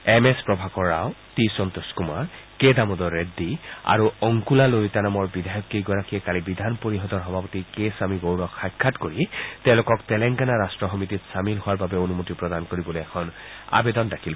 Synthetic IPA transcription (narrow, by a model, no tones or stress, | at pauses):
ɛmɛspɹɔbʱakɔɹaʊtisɔntuskuma̰ɹ | kedamɔdɔɹedːia̰ɹuɔŋkulaloitanamɔɹbidʱajɔkːiɡɔɹakiɛkalibidʱanpoɹiɦɔtɔɹxɔbʱapɔtikesamiɡowɹɔkxajkʰːatkoɹitɛ̃ʊ̃lʊkɔktɛlɛŋkanaɹastɹɔxɔmititsamilɦʊwaɹbabɛonumotipɹɔdankoɹibɔloɛkʰɔn | a̰bedɔndakʰil